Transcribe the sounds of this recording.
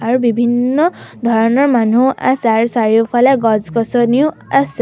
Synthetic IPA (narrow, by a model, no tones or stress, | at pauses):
aɾubibʱinːʌd̪ʱʌɾnʌrmanua̰saɾsaɾjopʰalajɡʌd͡zkʌsʌniju | as